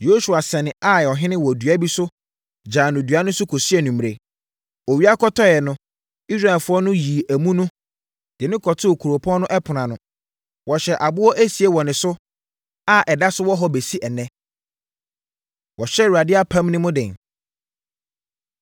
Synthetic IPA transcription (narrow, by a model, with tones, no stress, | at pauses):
jo˦su˨a˨sɛ˨nɪ̃˨a˦˨ɔ˨ɦɪ̃˦nɪ̃˦wɔ˨dɥæ˦bi˦sʊ˦ | d͡ʑãː˨nʊ̃˨dɥa˦nʊ̃˦sʊ˦kʰo˨sɥɛ˨nũ˨m˨ɾe˨ | o˨wi˦a˦kʰɔ˦tʰɔ˦jɛ˨nʊ̃˦ | i˦sɾa˨ɛ˨lfʊ˦ɔ˦nʊ̃˦jiː˨æ˨mũ˦nʊ̃˦ | d̥ɪ˨nɪ̃˦kʰɔ˨tʰʊ˦˨kʰu˨ɾo˨pʰɔ̃˦nʊ̃˦ʔɛ˦pʰʊ˨nã˨nʊ̃˨ | wɔ˨ɕɛ˨ʔa˨bʊ˦wɔ˦ʔæ˦si˨e˦wɔ˨nɪ̃˨sʊ˦ | a˦ʔɛ˨da˦sʊ˦wɔ˦ɦɔ˦be˨si˦ʔɛ˨nɛ̃˦ | wɔ˨ɕɛ˦wa˨dɪ˦a˦pʰã˦mnɪ̃˦mʊ̃˦dɪ̃˨n